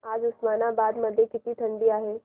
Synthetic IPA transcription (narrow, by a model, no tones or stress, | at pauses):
aːd͡ʒʊsmaːnabaːd̪mɐd̪ʱjekɪt̪it̪ʰɐ̃ɳɖijaɦɛː